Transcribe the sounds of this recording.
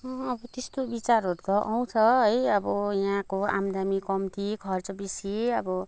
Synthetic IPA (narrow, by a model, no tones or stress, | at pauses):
ʌbʌt̪est̪obit͡saɾɦoɾkʌʔaw̃t͡sʰʌɦʌjʌbʌjãkoa̰md̪amikʌmt̪ʰikʰʌrt͡sʌbisiʌbʌ